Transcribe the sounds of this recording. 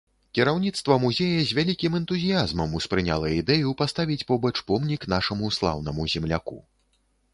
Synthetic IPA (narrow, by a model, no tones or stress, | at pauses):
kʲiɾawnʲit̪st̪vɐmuzʲejɐzʲvʲalʲikʲimɛnt̪uzʲijazmɐmuspɾɨnʲa̰lˠɐid̪ɛjupast̪avʲit͡sʲpɔbɐt͡ʂpɔmnʲiknaʂɐmuslˠa̰wn̪ɐmuzʲɛmlʲa̰kṵ